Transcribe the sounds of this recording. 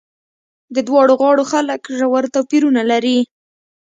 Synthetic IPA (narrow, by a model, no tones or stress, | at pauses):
d̪əd̪wɑɽoɣɑɽoxaləkʒawaɾt̪awpiɾunalaɾi